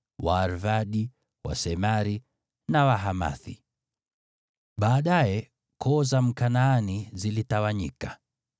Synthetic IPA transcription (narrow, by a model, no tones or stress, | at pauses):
waːɾvaɗi | wa̰sɛmaɾi | nawaɦama̰θi | ɓaːɗajɛ | kʰɔzam̩kanaːnizilitawaɲḭka